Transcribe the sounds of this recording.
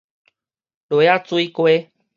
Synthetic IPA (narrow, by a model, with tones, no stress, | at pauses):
ɖo˨ja˦t͡su˦i˦ko˦e˦